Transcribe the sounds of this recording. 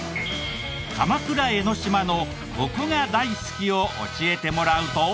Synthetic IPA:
kamakɯ̟ɾae̞no̞ɕimano̞ | ɡo̞kɯ̟ɡad̪aisɨ̥kʲio̞ʔo̰ɕie̞t̪e̞mo̞ɾaɯ̟t̪o̞

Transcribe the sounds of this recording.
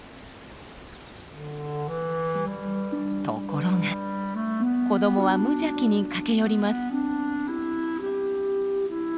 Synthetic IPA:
t̪o̞̰ko̞ɾoŋa | ko̞d̪o̞mo̞βamɯ̟ʑakʲiɲ̟ikake̞jo̞ɾʲimasɨ̥

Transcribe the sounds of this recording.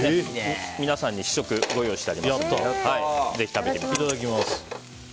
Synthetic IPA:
mʲinasãɲ̟ːiɕi̥ɕo̞kɯ̟ɡo̞joːɕi̥t̪eaɾʲimjõt̪ːohaize̞çi̥t̪abe̞t̪ekʲikit̪ad̪okʲimasɨ̥

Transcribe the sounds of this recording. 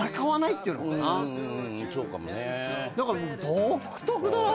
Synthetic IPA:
akaβanait̪ʲːeiɯnoknã | kʲoːka̰mo̰ned̪akaɾamokd̪oːkʰɯ̥t̪okɯ̟d̪aɾo

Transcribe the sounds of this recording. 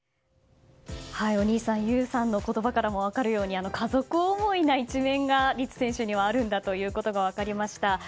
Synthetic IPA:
haio̞ɲ̟iːsãɰ̃jɯ̟ːsãnːo̞ko̞t̪o̞bakaɾamo̞β̞akaɾɯ̟jo̞ːɲ̟iano̞kʰazo̞kɯ̟omo̞inait͡ɕimẽ̞ŋɡaɾʲit͡sɨ̥sẽ̞ɰ̃ɕɨɲ̟iβaːɾɯ̟̃nd̪at̪o̞jɯ̟ːko̞t̪o̞ɡaβ̞akaɾʲimaɕi̥t̪a

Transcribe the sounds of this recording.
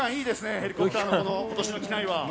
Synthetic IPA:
ãɰ̃iːd̪e̞sɨne̞he̞ɾʲikot̪aːnokonoko̞t̪o̞ɕinokʲinaiβa

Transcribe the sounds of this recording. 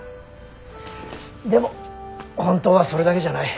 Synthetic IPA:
d̪e̞mohõ̞nt̪o̞ːβaso̞ɾe̞d̪ake̞ʑanai

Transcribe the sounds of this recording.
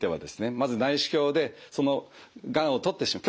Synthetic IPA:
t̪e̞βa̰d̪e̞sɨ̥ne̞mazɨnaiɕi̥kʲo̞ːd̪e̞so̞no̞ɡãɰ̃o̞t̪o̞t̪ːe̞ɕimakʲ

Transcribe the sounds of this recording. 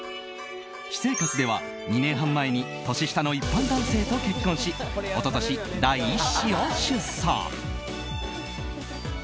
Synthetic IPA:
ɕi̥se̞ːkat͡sɨd̪e̞βa̰ | ɲ̟inẽ̞ɰ̃ɦãmːae̞ɲ̟i | t̪o̞ɕiɕi̥t̪ano̞ipːãnd̪ãɰ̃se̞ːt̪o̞ke̞kːõɰ̃ɕio̞t̪o̞t̪o̞ɕid̪aiːɕijoɕɨsa̰ŋ

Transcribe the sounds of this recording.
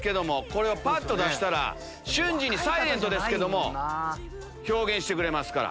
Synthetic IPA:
ke̞d̪o̞mo̞ko̞ɾe̞opat̪ːo̞d̪aɕi̥t̪aɾa̰ | ɕɨ̃ɲd͡ʑiɲ̟isaiɾẽ̞nt̪o̞d̪e̞sɨ̥ke̞d̪o̞mo̞ | ço̞ːɡẽ̞ɕi̥t̪e̞kɯɾe̞masɨ̥kaɾa̰

